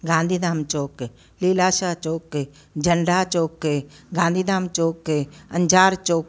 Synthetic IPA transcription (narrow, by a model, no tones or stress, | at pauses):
ɡãːnd̪ʱiːd̪aːmt͡ʃoːke | liːlaːʃaːt͡ʃoːkːe | d͡ʒəɳɖaːt͡ʃoːkːeɡãːnd̪iːd̪aːmt͡ʃoːkːeɐɲd͡ʒaːɾt͡ʃoːk